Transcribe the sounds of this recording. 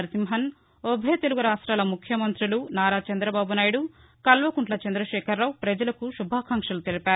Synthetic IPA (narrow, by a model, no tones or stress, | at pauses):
ɾt̪imɦɐn | obʱɐjt̪e̞luɡuɾaːʂʈɾaːlɐmukʰjɐmɐnt̪ɾulunaːɾaːt͡ʃɐnd̪ɾɐbaːbunaːjiɽu | kɐlʋɐkuɳʈlɐt͡ʃɐnd̪ɾɐʃɛːkʰɐɾːaːwpɾɐd͡ʒɐlɐkuʃubʱaːkʰaːŋkʂɐlut̪e̞lipaːɾu